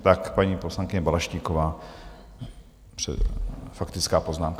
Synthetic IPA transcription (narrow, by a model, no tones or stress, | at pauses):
t̪akpaɲiposlaŋkɪɲɛbalaʃciːkovaː | prɛ̰fakt̪ɪt͡skaːpoznaːmka